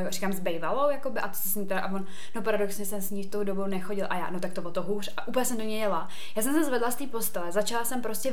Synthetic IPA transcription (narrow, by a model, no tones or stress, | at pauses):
jkɾikaːmzbɛjvalowjako̞bɪʔat̪o̥sɛsɲiːt̪ɛɾaʔavon | nopaɾado̞ksɲɛsɛmsɲiːft̪owdobownɛxoɟɪlʔa̰ja̰ːnot̪akt̪ovot̪oɦuːrʔaʔuːpljɛsɛmt̪oɲɛjɛla | jaːsɛmsɛzvɛdlast̪iːpo̞st̪ɛlɛzat͡ʃalasɛmpɾoscɛ